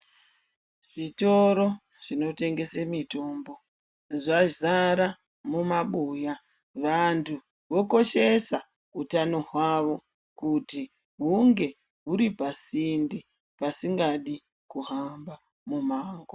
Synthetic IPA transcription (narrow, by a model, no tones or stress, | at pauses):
ʐ̥ito̞ɾo̞ | ʐ̥ino̞te̞ŋɡe̞semito̞mbo̞ | ʐazaɾa | mumaɓuja | ʋantʰu | ʋo̞ko̞ʃe̞sa | utano̞ɦwaʋo̞ | kuti | ɦuŋɡe̞ | ɦuɾipasindi | pasiŋɡaɗi | kuɦamba | mumaːŋɡo